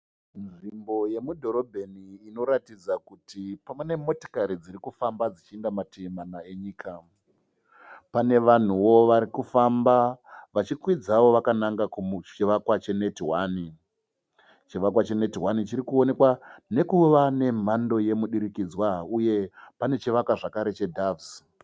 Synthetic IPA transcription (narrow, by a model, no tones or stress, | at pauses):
nʐimbo̞je̞mudʱo̞ɾo̞bʱe̞niːno̞ɾatid͡zakutipamune̞mo̞to̥kaɾid͡ziɾikufambad͡zit͡ʃiendamatʰemanaeɲiːkʰa | pane̞ʋan̤uwo̞ʋaɾikufambaʋat͡ʃikwid͡zaʋo̞ʋakanaŋɡakut͡ʃiʋakwat͡ʃe̞ne̞tiwaːni | t͡ʃiʋakwat͡ʃe̞ne̞tiɦwanit͡ʃiɾikuone̞kwane̞kuʋane̞m̤ando̞je̞muɗiɾikid͡zwauje̞pane̞t͡ʃiʋakwaʐakaɾe̞t͡ʃe̞dʱavs